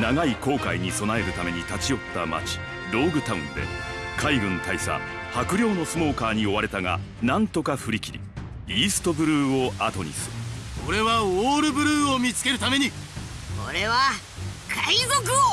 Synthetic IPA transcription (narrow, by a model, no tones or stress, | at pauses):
naɡaiko̞ːkaiɲ̟iso̞nae̞ɾɯ̟t̪ame̞ɲ̟it̪at͡ɕijo̞t̪ːa̰ma̰t͡ɕi̥ | ɾo̞ːɡɯ̟t̪aɯ̟̃nd̪e̞̰kʰaiɡɯ̟̃nt̪aisa̰ | hakɯ̟ɾʲo̞ːno̞sɨmo̞ːkaːɲ̟io̞βaɾe̞t̪aŋa̰nãnt̪o̞kaɸɯ̟ɾʲikʲiɾʲḭ | iːsɨ̥t̪o̞bɯ̟ɾɯ̟ːo̞at̪o̞ɲ̟ḭsɨɾɯko̞ɾe̞βaoːɾɯ̟bɯ̟ɾɯːomʲit͡sɨ̥ke̞ɾɯ̟t̪ame̞ɲ̟i | koɾe̞βa | kʰaizok̬ɯo